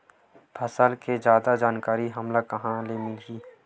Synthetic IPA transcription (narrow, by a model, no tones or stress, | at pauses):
bʰʱɐsəlkezjaːd̪ad͡ʒaːnkaːɾiɦɐmlakɐɦãlemɪlɡiː